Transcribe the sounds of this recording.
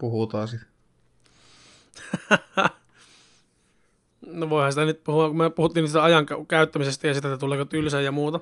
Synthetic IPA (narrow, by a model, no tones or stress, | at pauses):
puhut̪ɑːsit̪ | noʋoˑihɑnsit̪ænyt̪̚puhuɑkumepuhut̪ːiːnst̪æɑjɑŋkækæˑyt̪ːæmisest̪æjɑsit̪æt̪ːæt̪uleːkot̪ylsæjjɑmuːt̪ɑ